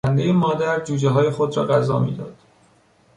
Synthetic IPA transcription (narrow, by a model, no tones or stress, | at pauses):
ænd̪ejemɒːd̪æɾd͡ʒuːd͡ʒeɦɒːjexod̪rɒːɢæzɒːmḭːd̪ɒ̰ːd̪̥